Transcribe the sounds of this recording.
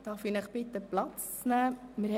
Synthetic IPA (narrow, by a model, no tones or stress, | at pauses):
d̥ɑɾfinəχpɪt̪ːəplɑt͡st͡snæːmɪɾh